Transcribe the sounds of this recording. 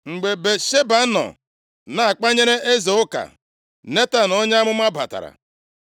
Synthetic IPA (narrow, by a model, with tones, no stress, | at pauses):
ŋ͡m̩˨ɡ͡be˨be˨ʃe˦ba˨˦nɔ̰˨ | na˨a˨k͡pa˦ɲe˦ɾe˦ʔe˦ze˨ʊ˦ka̰˨ | ne˦ta˨nɔ˦ɲ˦a˦mʊ˦m˦a˦ba̰˨ta̰˨ɾa̰˨